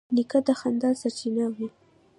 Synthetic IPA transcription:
nikad̪əxand̪ɑlsaɾt͡ʃinawu

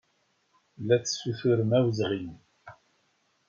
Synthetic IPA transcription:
lːæt͡sːə̥sːuθuɾəmæwzʁin

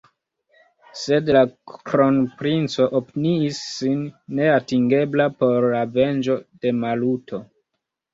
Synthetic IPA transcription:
se̞dlakɾo̞npɾint͡so̞ʔopniːsːinːe̞atiŋɡe̞blapo̞ɾlave̞nd͡ʒo̞d̥e̞malutʰo̞

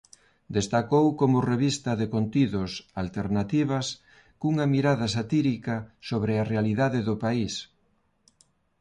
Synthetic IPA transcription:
d̪est̪akowkomʊreβist̪ɐðekont̪iðʊsalt̪eɾnat̪iβ̞ɐs | kuŋɐmiɾaðɐsat̪iɾikɐsoβɾearealiðaðɪðʊpais

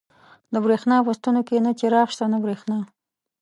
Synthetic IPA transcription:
d̪əbɾexnɑwəst̪unokenat͡ʃeɾɑxʃt̪anabɾexnɑ

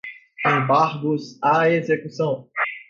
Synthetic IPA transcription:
ẽbaɾɡʊzaezekusɐ̃w̃

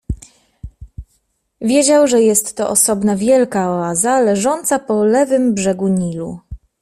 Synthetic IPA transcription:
vʲjed͡ʑawʐɛjɛst̪ːɔʔɔsɔbnavʲjɛlkaɔazalɛʐɔnt̪sapɔlɛvɘmbʐɛɡuɲilu

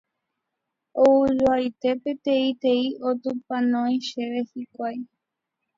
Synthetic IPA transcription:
oɨɾuajt̪e̞pe̞t̪eit̪e̞iot̪upãnõĩʃeʋehikʷaj

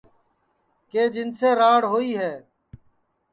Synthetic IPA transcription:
keːd͡ʒɪnseːɾaːɽɦoːiːɦɛː

